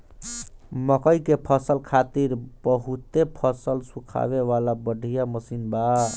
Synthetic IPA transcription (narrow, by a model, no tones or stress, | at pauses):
məkəjkepʰəsəlkʰat̪iɾbəɦut̪epʰəsəlsukʰa̰βeʋalabəɖʱijaməsinba